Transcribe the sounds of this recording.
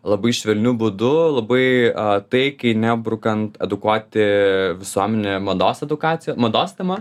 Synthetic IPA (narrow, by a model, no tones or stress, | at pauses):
lˠɐbɐɪʃʲʋʲɛlʲnʲubʊd̪ʊlˠɐbɐɪɐt̪ɐɪkɐɪnʲæbɾʊkɐnt̪ɛd̪ʊkuɔt̪ʲɪʋʲɪsuɔmʲɛnʲemɐd̪oːsɛd̪ʊkɑːt̪t͡s̪ʲɪjoːmɐd̪oːst̪ʲɛmɐ